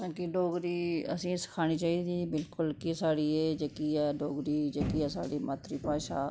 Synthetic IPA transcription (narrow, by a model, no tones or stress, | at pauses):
ãːkiɖoːɡɾiːə̰sĩːsə̥kʰaːñiːt͡ʃaːiːd̪iːbɪlkʊlkisaːɽiːeːd͡ʒəkiːɛːɖoːɡɾiːd͡ʒəkiːɛːsa̰ːɖiːmaːt̪ɾiːpaːʃaː